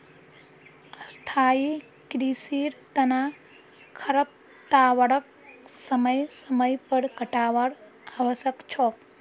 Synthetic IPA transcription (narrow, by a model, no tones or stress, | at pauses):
əst̪ʰaːi | kɾiːsiːɾt̪ɐna | kʰɐɾəp̚ | t̪aːʋəɽək̚ | səməjsəməjpəɽkəʈaːʋəɽ | aʋəsəkt͡ʃʰoːk